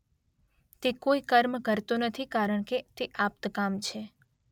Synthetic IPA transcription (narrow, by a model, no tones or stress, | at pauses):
t̪ekoikəɾmkəɾt̪onət̪ʰikaɾəɳket̪eʔap̚t̪kamt͡ʃʰe